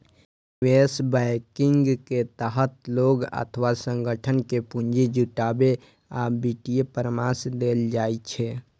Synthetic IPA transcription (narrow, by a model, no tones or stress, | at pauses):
wesbaɪkɪŋɡket̪əɦət̪loɡə̰t̪ʰʋasə̃ŋɡʱəʈʰənkepuɲd͡ʒid͡ʒuʈabe | abiʈijepəɾmasd̪eld͡ʒaːet͡ʃʰɛ